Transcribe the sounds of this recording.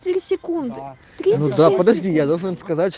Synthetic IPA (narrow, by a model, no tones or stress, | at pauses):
t̪ʲɪɾʲisʲɪkund̪ɨ | t̪ɾʲinud̪apəd̪ɐʐdʲijad̪olˠʐɨnskɐzatʲ